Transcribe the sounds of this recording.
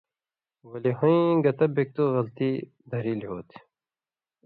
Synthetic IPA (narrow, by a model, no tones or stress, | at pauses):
wɐliɦoĩɡɐt̪ɐbek̚t̪oɣɐlt̪i | d̪ʱɐɾilɦoːt̪